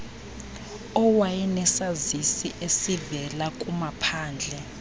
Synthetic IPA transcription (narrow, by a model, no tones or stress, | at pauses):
ɔwajɛnɛsazisiʔesivɛlakʼumapʰaːnd͡ɮʱɛ